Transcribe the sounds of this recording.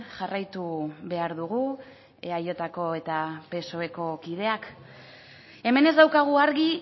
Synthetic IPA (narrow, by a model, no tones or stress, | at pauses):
ʝarajt̪uβe̞aɾðuɣ̞u | ajo̞t̪ako̞e̞t̪ape̞so̞e̞ko̞kið̞e̞ak | e̞me̞ne̞zd̪awkaɣ̞uaɾɣi